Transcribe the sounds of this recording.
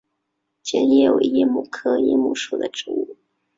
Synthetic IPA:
t͡ɕjɛ˥njɛ˥˩jo˨˩˧jɛ˥mu˥˩kʰɤ˥jɛ̰˥mu˥˩ʂu˨˩d̪ə˦ʈ͡ʂɻ̩̰˧˥u˥˨˩

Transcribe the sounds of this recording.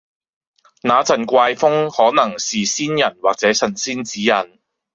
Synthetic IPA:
naː˨˧˥t͡sɐ˨˩nkʷaː˧jfʊ˥ŋhɔː˨˥nɐ˨˩ŋsiː˨siː˥njɐ˨˩nwaː˨˩k̚t͡sɛː˨˥sɐ˨˩nsiː˥nt͡siː˨˥jɐ˨˩n

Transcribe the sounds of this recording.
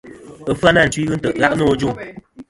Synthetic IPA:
ə˨fɨ˦a˦na˦˨n̩˨t͡ʃwi˦ɣɨ˦n̩˦tə˨ʔɣa˦ʔnɔ˦˨˦d͡ʒu˦˨

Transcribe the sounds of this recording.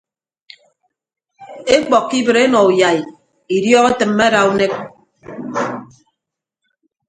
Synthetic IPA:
e˦k͡pɔ˨kːi˦bɨ˨ɾe˦nɔ˨u˨ja˨i˨ | i˨djɔː˦ɣe˦tɨ˨m̩ːe˦ɾa˨u˦ne˦k̚

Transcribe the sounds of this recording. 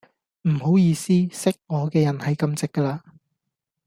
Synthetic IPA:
m̩˨˩ho˨˥wjiː˨˧siː˥sɪ˥k̚ŋɔː˨˧kɛː˧jɐ˨˩nhɐ˨jkɐ˧mt͡sɪ˥kːɐː˧laː˧

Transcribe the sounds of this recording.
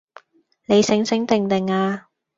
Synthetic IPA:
ne˨˧jsɪ˨˥ŋsɪ˨˥ŋt̪ɪ˨ŋt̪ɪ˨˩ŋaː˧

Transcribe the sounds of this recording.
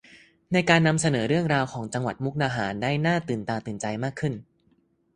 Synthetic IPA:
na˧jkaː˧nːa˧msa˧nɤː˩˦ɾɯ˥˩əŋɾaː˧wkʰɔː˩˦ŋt͡ɕa˧ŋwa̰˨˩t̪̚mu˦˥k̚naː˧ɦaː˩˦ndaː˥˩jnaː˥˩t̪ɯː˨˩nt̪aː˧t̪ɯː˨˩nt͡ɕa˧jmaː˥˩kʰːɯ˥˩n

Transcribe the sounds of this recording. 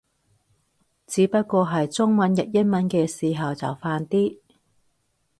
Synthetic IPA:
t͡siː˨˧˥pɐ˥t̚kʷɔː˧ɦɐ˨jt͡sʊ˥ŋmɐ˨˥njɐ˨t̚jɐ˥n̚mɐ˨˥nkɛː˧siː˨˩ɦɐ˨wt͡sɐ̰˨˩wfaː˧nt̪iː˥

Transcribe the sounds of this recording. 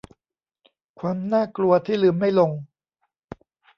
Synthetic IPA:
kʰwaː˧mnaː˥˩klu˧ɐt̪ʰiː˥˩lɯː˨˩˦mːa˥˩jlo˧ŋ

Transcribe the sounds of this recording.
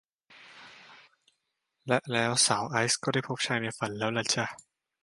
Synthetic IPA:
lɛ˦˥ʔlɛː˦˥wsaː˩˦wʔa˦˥jskɔː˥˩da˥˩jpʰo˦˥p̚t͡ɕʰa˦˧jna˧˩fa˧˩nlɛː˦˥wla˧˥t͡ɕʰa˥˧˩

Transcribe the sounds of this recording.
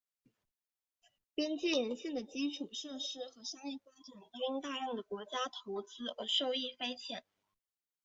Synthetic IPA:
pjɛ˥nt͡ɕi˥˩ɻə˧˥nɕi˥˩ŋd̪ə˩t͡ɕi˥ʈ͡ʂʰu˨˩ʂɤ˥˩ʂɻ̩˥xɤ˧˥ʂa˥ŋjɛ˥˩fa˥ʈ͡ʂa˨˩nt̪ɤ˥i˥ŋt̪a˥˧ɻjɑ˥˩ŋd̪ə˩kwɔ˧˥t͡ɕja˥t̪ʰo˧˥ʊt͡sɹ̩˥ə˧˥ʂo˥˧ʊi˥˩fe˥ɪt͡ɕʰjɛ˨˩˦n

